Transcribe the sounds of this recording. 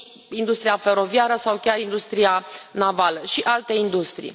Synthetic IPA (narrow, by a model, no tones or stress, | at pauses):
ind̪ust̪ɾijafe̞ɾo̞viaɾəsawkʲarind̪ust̪ɾianavaləʃiʔalt̪e̞ind̪ust̪ɾḭj